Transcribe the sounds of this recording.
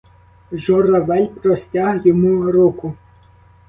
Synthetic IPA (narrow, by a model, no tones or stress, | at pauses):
ʒɔrɐʋɛlʲpɾɔsʲtʲaɦjɔmuɾɔkʊ